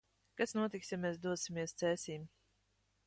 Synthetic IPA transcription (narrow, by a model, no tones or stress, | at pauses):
kasnuɔt̪iksjameːsd̪uɔsimʲiɛst̪sɛːsiːm